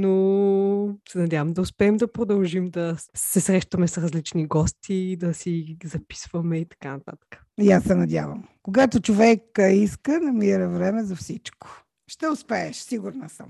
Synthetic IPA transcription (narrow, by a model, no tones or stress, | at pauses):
no | sɛnɐd̪ʲjavəmd̪ɐʊspɛːmd̪ɐpɾod̪ɐlˠʒimd̪ɐsɛsɾɛʃt̪ɐmɛsɾɐzlit͡ʃniɡɔst̪ʰid̪ɐsizɐpi̥svəmɛit̪ɐ̥kanɐt̪a̰t̪ə̥kə̥ | iasːɛnɐd̪ʲja̰və̰mkoɡat̪ot͡ʃovɛkəiskənɐmiɾəvɾɛmɛzɐfsit͡ʃko̥ | ʃt̪ɛʊspɛɛʃsiɡuɾnəsə̰m